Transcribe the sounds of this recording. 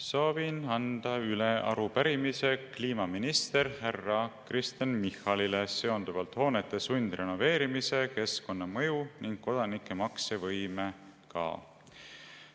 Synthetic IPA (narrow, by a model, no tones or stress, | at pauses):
soːvinɑnd̪̥ɑyleɑ̰ɾupæɾimise̞kliːmɑminist̪e̞ɾhærːɑkrist̪enmihɑlilese̞o̞nd̪uvɑlt̪ho̞ːnet̪ːˑe̞sunʲd̪̥re̞no̞ve̞ːɾimise̞ke̞sko̞nːɑmɤjuniŋɡ̥̚kːo̞d̪̥ɑnikˑːe̞mɑksevɤjmekɑ̰ː